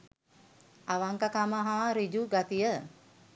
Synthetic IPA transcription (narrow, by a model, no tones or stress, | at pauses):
aʋaŋkakamaɦaɾid͡ʒuɡat̪ijə